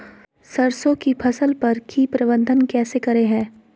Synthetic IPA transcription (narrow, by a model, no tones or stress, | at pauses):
sɐɾsõkipʰɐsəlpɐɾkʰiːpɾɐbə̃nd̪ʱənkɛːsekɐɾeɦɛ̃ː